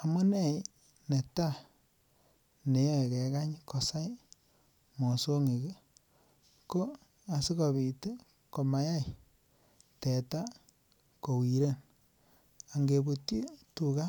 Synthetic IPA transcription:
a˨mʊ˦ne˦˨j | ne˨ta˦ | ne˨˦jɔ˦˨kɛ˨ka˦ɲko˨sa˦j | mo˨so˦ŋi˨ke˦ | ko˦ | a˨si˦ko˨βi˨te˦ | ko˨ma˨ja˦i˨ | tɛ˨ta˦ | ko˨wi˨ɾe˦n | a˨ŋɡe˨bu˨tji˦tu˨ka˦

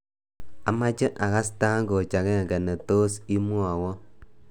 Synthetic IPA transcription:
a˨˦ma˦t͡ʃɛ˦ʔa˨ɣa˦sta˦ŋɡo˨t͡ʃa˨ɣɛ˦˨ŋɡɛ˨nɛ˨toː˦si˦mwa˨wɔ˦

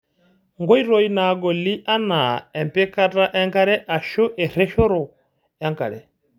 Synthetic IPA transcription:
ŋɡɔ˦i˦ɾɔ˦i˦na˨ɡɔ˨li˦ʔa˦na˨ɛ˨mpɛ˦ka˦ta˦ʔɛ˦ŋka˦ɾɛ˦ʔa˨ʃɔ˦ʔɛ˨ɾɛ˦ʃɔ˦ɾɔ˨ | ja˦ŋka̰˨ɾɛ˨

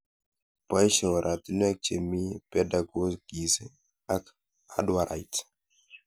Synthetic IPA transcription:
pa˦jʃɛ˨wa˨ɾʔa˨t̪i˦nu˦a˦k̚t͡ʃe˨mi˦pɛda˨ɡo˦sɡi˨se˦ | a˦k | adwa˨ɾʔa̰˨jt

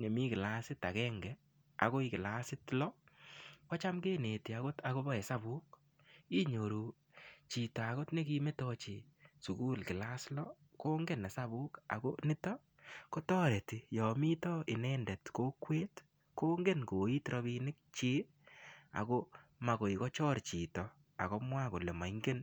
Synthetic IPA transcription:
ɲe˨mi˦kɪ˨la˦sɪ˦ta˨kɛː˦ŋɡɛ˨ | a̰˨ko˦i˦kɪ˨la˦sɪ˦tlɔ˦ | kɔ˦t͡ʃa˦mke˦ne˨ti˨a˨ko˦ta˨ko˦bɔ˦ɛ˨sa˦bu˦k | i˦ɲo˨ɾu˨ | t͡ʃi˨ta˨a˨ko˦tne˦ki˦me˦tɔ˧t͡ʃe˨su˨ku˦lkɪ˨la˦slɔ˦ | koː˦ŋɡe˦na˨sa˦βu˦ka̰˨ko̰˦nɪ˦tɔ˦ | ko˦tɔ˦ɾɛ˨ti˨jɔ˨mi˦tɔ˦ʔɪ˨nɛndɛ˨tko˦kweː˦t | koː˦ŋɡe˦nko˨i˦tɾɔ˧βi˦nɪ˦k̚t͡ʃi˦ | a̰˨ko˦ma˨ko˨i˨kɔ˦t͡ʃɔ˦ɾt͡ʃi˨tɔ˨ | a˨kɔ˦mwa˦ko˨le˨ma˨iŋɡe˦n

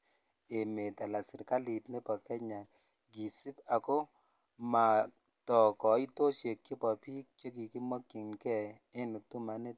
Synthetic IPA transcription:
e˨me˨t̪a˨la˨sɪ˨ɾka˦li˨tne˦pɔ˨kɛ˦ɲa˨ | ɡi˨si˦pa˨ko˦ | ma˨ | tɔ˨kɔ˨i˦to˦ʃe˨kt͡ʃe˦pa˨pi˦k̚t͡ʃe˦ki˨ki˦mɔ˦kːi˨nkɛ˦ | e˦nu˨tu˦ma˨ne˦

